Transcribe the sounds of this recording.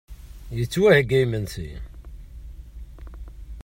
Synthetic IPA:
jət͡sːwæhəɡæjmənsḭ

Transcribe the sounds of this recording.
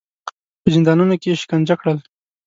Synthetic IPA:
pəzɪnd̪ɑnunokeʃɪ̥kand͡ʒakɽəl

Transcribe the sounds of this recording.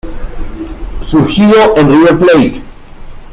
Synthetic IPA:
suɾxiðoʔẽnrieɾplejt̪

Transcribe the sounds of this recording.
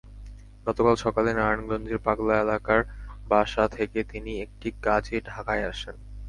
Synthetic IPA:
ɡɔt̪okalʃɔkalenaɾanɡɾond͡ʑeɾpaɡlaelakaɾbaʃat̪ʰeket̪iniek̚ʈikad͡ʑeɖʱakaeaʃen

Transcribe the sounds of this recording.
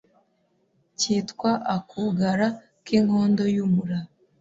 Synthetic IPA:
ciːtkwaʔakʰuɡaɾa | kiŋho̞ːndo̞jumuɾa

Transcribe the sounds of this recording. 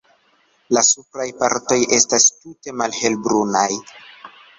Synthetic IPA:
lasupɾajpa̰ɾto̞je̞stastute̞malhe̞lbɾunaj

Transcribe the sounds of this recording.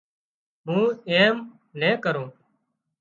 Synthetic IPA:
mũːeːm | nẽːkəɾoː

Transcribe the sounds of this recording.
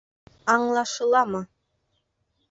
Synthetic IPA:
ɑɴlˠɑʃɤ̆lˠɑmɤ

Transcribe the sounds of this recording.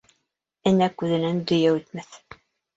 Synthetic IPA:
ɘnækʉðɘ̆nænd̪ɵ̆jæʉt̪mæθ

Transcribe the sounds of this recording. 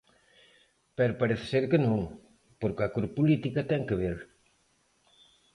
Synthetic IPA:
pɛɾopaɾeθe̥seɾkenõŋ | poɾkɐkuɾpulit̪ikat̪ɛŋkeβeɾ

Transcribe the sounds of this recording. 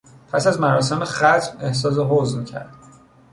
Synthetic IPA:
pʰæsæzmæɾɒːs̬e̞meχæt̪ʰme̞hsɒːs̬eɦozmcʰæ̰ɾd̪̥

